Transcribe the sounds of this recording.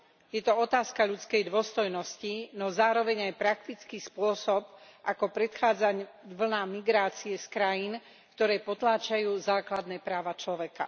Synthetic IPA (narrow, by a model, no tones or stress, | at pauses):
jɛt̪ɔɔt̪aːskaʎut͡skɛjd̪ʊɔst̪ɔjnɔscinɔzaːɾɔʋɛɲajpɾak̚t̪it͡skispʊɔsɔp̚ʔakɔpɾɛt̪xaːd͡zaɲʋl̩namiɡɾaːt͡siɛskɾajin | kt̪ɔɾɛːpɔt̪laːt͡ʃajuːzaːklad̪nɛːpɾaːʋat͡ʃlɔʋɛka̰